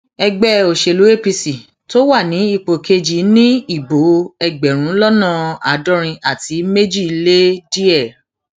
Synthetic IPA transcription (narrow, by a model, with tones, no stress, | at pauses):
ɛ˧ɡ͡bɛ˦˨o˨ʃe˨lu˨˦e˦˨pi˧si˨ | to˦wa˦˨nĩ˨˦i˦˧˨k͡po˨kʰe˧d͡ʒi˨˦nĩ˦i˦˨bo˨˦ɛ˧ɡ͡bɛ˨ɾ̃ũ˨˦lɔ˦nã˦˨a˨˦dɔ˦ɾ̃ĩ˧ʔa˦˨ti˨˦me˦d͡ʒi˦˨i˧le˦di˦ɛ˦˨